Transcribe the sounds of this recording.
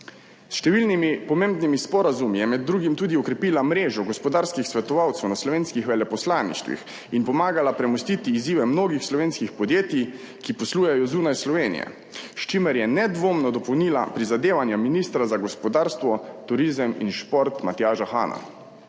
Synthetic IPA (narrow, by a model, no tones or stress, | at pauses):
sʃt̪ɛʋilnimipɔmeːmbnimispɔɾazumijɛmɛd̪̚ːɾuːɡimt̪uːd̪iɔkɾɛpiːlamɾeːʒɔɡɔspɔd̪aːɾskixsʋɛt̪ɔʋawt̪sɛwnaslɔʋeːnskixʋɛlɛpɔslaːnḭʃt̪ʋḭx | inpɔmaːɡalapɾɛmɔst̪it̪iːziːʋɛmnoːɡixslɔʋeːnskixpɔd̪jeːt̪i | kipɔsluːjajɔzuːnajslɔʋeːnḭjɛ̰ | ʃt͡ʃimɛɾjɛnɛd̪ʋoːmnɔd̪ɔpɔwniːla̰pɾizad̪eːʋanjaminist̪ɾazaɡɔspɔd̪aːɾst̪ʋɔt̪uɾizəmḭnʃpoɾt̪mat̪jaːʒaxa̰ːna̰